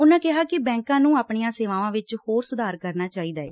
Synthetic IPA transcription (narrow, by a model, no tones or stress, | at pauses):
ʊnãːkɪɦaːkɪbɛ̃ːŋkãːnũːaːpɳɪːãːseːʋãːʋãːʋɪt͡ʃhoːɾsʊd̪ʱaːɾkəɾnaːt͡ʃaːiːd̪aːḛː